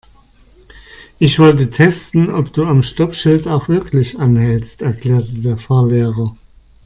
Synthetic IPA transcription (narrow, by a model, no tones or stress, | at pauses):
ʔɪçv̥ɔltətʰɛstn̩ɔpd̥uːamʃtɔpʃɪltaʊxv̥ɪɐklɪçʔanhɛlstɛɐkʰl̥ɛːɐtədeːɐfaɐleːʁɐ